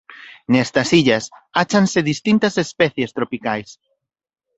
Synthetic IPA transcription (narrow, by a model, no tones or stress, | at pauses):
nɛst̪ɐsiʎɐsat͡ʃanseðist̪int̪ɐsespɛθjest̪ɾopikajs